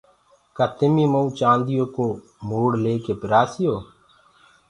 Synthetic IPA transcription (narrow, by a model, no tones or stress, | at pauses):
kət̪ɪmiːməũt͡ʃãːnd̪ijõːkoː | muːɽleːkeːpɪɾaːsijoː